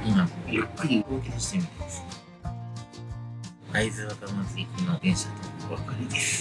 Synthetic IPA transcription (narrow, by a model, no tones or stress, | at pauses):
imaojapːaɾʲiɯɡoːkʲioɕi̥t̪emʲit̪emasɨ̥ | aizɨakamat͡sɨiimaɡẽ̞ɰ̃ɕat̪ooβakaɾʲid̪esɨ̥